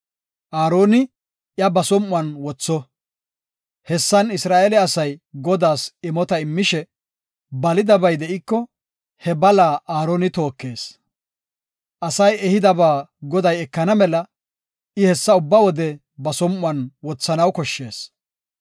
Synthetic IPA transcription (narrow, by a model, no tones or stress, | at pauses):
ʔaːɾo̞ːnɪ | ʔjɐbɐsɔmːʊwɐnwɔt͡sːɔ | hɛsːɐnɪsɾaːʔɛlɛɐsɐjɡɔd̪aːsɪmɔt̪ɐɪmːɪʃɛ | bɐlɪd̪ɐbɐjd̪ɛʔɪkːɔ | hɛbɐlaːʔaːɾoːnɪt̪o̞ːkːe̞ːs | ʔɐsɐjɛhɪd̪ɐbaːɡɔd̪ɐjɛkːɐnɐmɛlɐ | ʔɪhɛsːɐʊbːɐwɔd̪ɛ | bɐsɔmʊɐnwɔt͡sːɐnɐwkɔʃːe̞ːs